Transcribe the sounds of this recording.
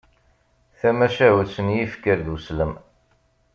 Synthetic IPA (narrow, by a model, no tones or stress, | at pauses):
θæmæʃæwəsənjifkːəɾd̪usləm